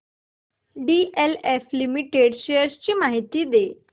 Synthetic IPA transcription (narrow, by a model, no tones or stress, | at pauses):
ɖieleflimiʈeɽɕejəɾst͡ɕiːmaɦit̪iːd̪e